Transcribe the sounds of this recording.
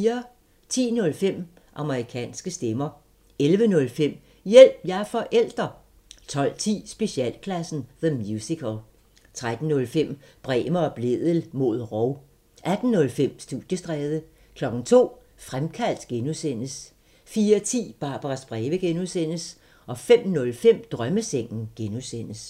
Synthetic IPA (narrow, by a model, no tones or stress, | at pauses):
ɐ | t͡sʰḭːnɔ̽lfem̰ | ʔɑ̈məʁikʰɛ̰ːnsɡ̥əsd̥emɐ | elʋənɔ̽lfem̰ | jel̰b̥jɑfɒ̽ʔel̰d̥ʁɐ | t͡sʰɒ̽l̰t͡sʰḭːsb̥e̝ɕiɛ̰l̰kʰlæsn̩ðəmjusikʰol | t͡sʰʁad̥n̩ːɔ̽lfem̰b̥ʁɛ̰ːməɒ̽b̥le̝ðˠəl̩mo̝ð̞̰ˠʁɒʊ | ʔæd̥n̩ːɔ̽lfem̰sd̥uð̥ˠjəsd̥ʁɛːðˠə | kʰlɒ̽ɡ̥n̩t͡sʰo̝̰ː | fʁamkʰæl̰d̥ɡ̥enusen̰əs | fiːɐt͡sʰḭːb̥ɑ̈b̥ɐʁɑsb̥ʁɛːʋəɡ̥enuðˠsen̰əs | ʔɒ̽fem̰nɔ̽lfem̰d̥ʁɶməseŋ̰n̩ɡ̥enuðsen̰əs